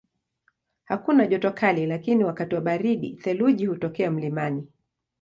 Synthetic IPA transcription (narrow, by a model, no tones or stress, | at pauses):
hakunaʄɔtɔkʰalilakiniwakatiwaɓaɾiɗḭθɛluʄihutɔkɛam̩limani